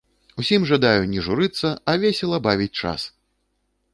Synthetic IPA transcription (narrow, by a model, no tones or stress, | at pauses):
usʲimʐad̪ajunʲɛʐuɾɨt̪sːɐɐvʲesʲɛlˠɐbavʲit͡sʲt͡ʂa̰s